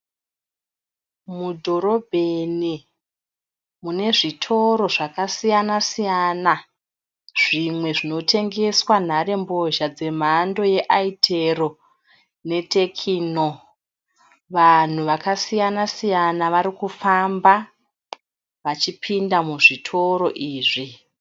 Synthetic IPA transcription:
mudʱo̞ɾo̞bʱeni | mune̞ʐitʰo̞ɾo̞ʐakasijanasijana | ʐ̥imwe̞ʐino̞tʰe̞ŋɡe̞swan̤aɾe̞mbo̞ʒad͡ze̞m̤ando̞je̞ʔaitʰero̞ | ne̞te̞kʰino | ʋan̤uʋakasijanasijanaʋaɾikufamba | ʋat͡ʃipʰindamuʐitʰo̞ɾo̞ʔiːʐi

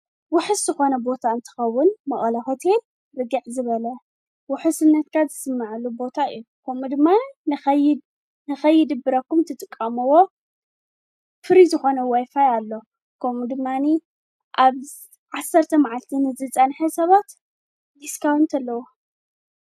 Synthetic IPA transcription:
wʊħɨszɨxo̞nɐbo̞t̪ʰaɨnt̪ʰɨ̥xɐwːʊnmɐχʼɐlɐho̞t̪ʰe̞lː | ɨɡiʕzɨβɐlɐ | wʊħɨsɨnːɐt̪kʰazɨsɨmːaʕlubo̞t̪ʰaɨ̰jːukʰɐmud̪ɨmːaj | nɨxɐjːɪd̪ɨbːɨɾɐkːumt̪ʰɨt̪ʼɨkʼːɐmɨwo̞ | fɨɾizɨxo̞nɐwajfajalːo̞ | kʰɐmud̪ɨmːani | ʔaβ | ʕasːɐɾt̪ʰɐmaʕalt̪ʰinɨzɨt͡sʼɐnħɐsɐβat̪ | d̪iskʰawɨnt̪ʰɐlːɐwo

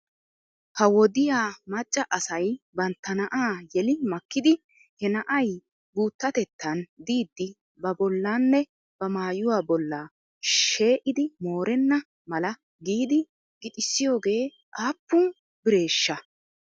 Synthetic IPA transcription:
hɐwɔd̪ɪjaːmɐt͡ʃʼːɐʔɐsɐjbɐnt̪ːɐnɐʔaːjɛlɪmɐkːɪd̪ɪ | hɛnɐʔɐj | buːt̪ːɐt̪ɛt̪ːɐnd̪iːd̪ːɪ | bɐbɔlːaːnːɛ | b̥ɐmaːjʊwaːbɔlːaː | ʃe̞ːʔɪd̪ɪmo̞ːɾɛnːɐ | mɐlɐ | ɡiːd̪ɪ | ɡ̥ɪt̪ʼɪsːɪjo̞ːɡe̞ː | ʔaːpːʊn | bɪɾe̞ːʃːɐ

